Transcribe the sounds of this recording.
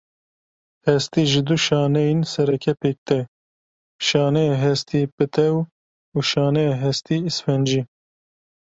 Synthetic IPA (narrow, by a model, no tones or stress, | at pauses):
hɛst̪iʒɪd̪uʃɑːnɛjinsɛɾɛkʰɛpeːk̚t̪ɛ | ʃɑːnɛɛɦɛst̪ipɨt̪ʰɛw | uːʃɑːnɛɛɦɛst̪iisfɛnd͡ʒi